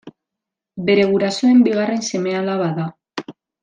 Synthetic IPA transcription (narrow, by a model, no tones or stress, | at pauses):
be̞ɾe̞ɣuɾasoe̞mbiɣ̞are̞nse̞me̞alaβaða